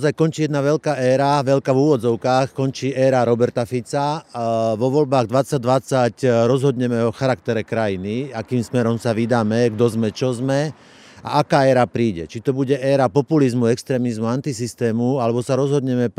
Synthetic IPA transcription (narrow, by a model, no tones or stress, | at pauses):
azajkɔnt͡ʃiːjɛd̪naʋɛʎkaːɛːɾaʋɛʎkavuːʋɔd͡zɔʊkaːxkɔnt͡ʃiːʔɛːɾaɾɔbɛɾt̪afit͡sa | ʋɔʋɔlbaːɣd̪ʋat͡saɟ̚d̪ʋat͡sacɾɔzɦɔd̪ɲɛmɛɔxaɾakt̪ɛɾɛkɾajiniakiːmsmɛɾɔmsaʋid̪aːmɛɡd̪ɔzmɛt͡ʃɔzmɛ | a̰ʔakaːɛːɾapɾiːɟɛ̰t͡ʃit̪ɔbuɟɛʔɛːɾapɔpulizmuɛkst̪ɾɛːmizmuant̪isist̪ɛːmualɛbɔsaɾɔzɦɔd̪ɲɛmɛp